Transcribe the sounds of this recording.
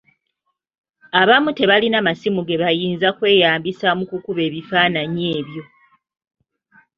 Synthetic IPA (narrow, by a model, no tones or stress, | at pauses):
aβamute̞βalinamasimuɡe̞βajiːnzakwe̞ːjaːmbisamukukuβe̞ːβifaːnaɲe̞ːβjo̞